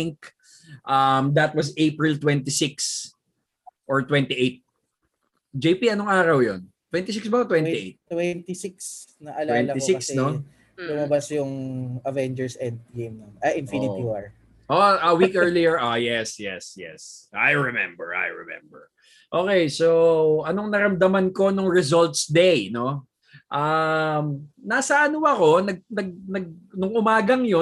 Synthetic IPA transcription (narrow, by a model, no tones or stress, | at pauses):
ɪŋk | ʔɐmd̪ɐt̪̚wɐzejpɹɪlt̪wɛnt̪isɪks | ʔɔɹt̪wɛnt̪iʔejt̪̚ | d͡ʒejpiɐnoŋaːɾɐwjon | t̪wɛ̃nt̪ɪsɪksbɐt̪wɛniʔejt̪̚t̪wɛnt̪isɪksnɐʔɐlawɛnɐisɪkɐksɛno | bʊmɐbasjʊŋɐvɛnd͡ʒɛɹsɛ̃nd̪̚ɡejmnɐmɐʔɪ̃nfinɪt̪iwaɹ | ʔoʔɐwikɛɹlijɛɹʔojɛsjɛ̰sjɛ̰sʔa̰jɹɛmɛ̰mbɛ̰ɹʔa̰jɹɛ̰mɛ̰mbɛ̰ɹ | ʔoːkejsoɐnoŋnɐɾɐmd̪ɐmɐnko̞nʊŋɹɛzolt̪sd̪ejno̞ | ʔamnaːsɐʔɐnʊɐko̞nɐɡ̚nɐɡ̚nɐɡ̚nʊŋʔʊmaːɡɐŋjo